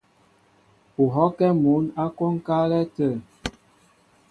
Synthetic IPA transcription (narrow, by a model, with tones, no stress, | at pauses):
u˨ɦɔ˦kɛ˦mu˨˦na˦kɔ˦ŋ˦ka˦lɛ˦tə˦˨